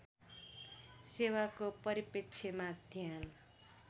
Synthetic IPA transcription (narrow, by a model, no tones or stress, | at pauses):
sewakopʌɾipekt͡sʰemad̪ʱjan